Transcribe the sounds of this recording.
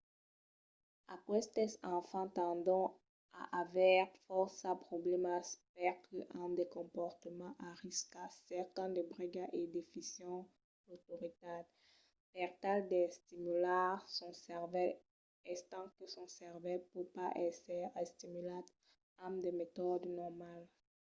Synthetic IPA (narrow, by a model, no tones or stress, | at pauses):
akwɛst̪ɛsɑ̃fɑ̃t̪ɑ̃d̪ɔ̃ | a̰ʔavɛʁfɔʁsapχoblɛmaspɛʁkʰəʔamd̪ekɔ̃pɔʁt̪əmɑ̃ʔaʁiskasɛʁt̪ɛ̃d̪əbʁiɡaʔed̪efisjɔ̃ | dot̪oʁit̪ad̪ | pɛʁt̪ald̪ɛst̪imylaʁsɔ̃sɛʁvɛl | ɛst̪ɑ̃kəsɔ̃sɛʁvɛlpupaʔɛsɛɛst̪imylat̪ | ãmd̪emet̪ɔd̪nɔʁmal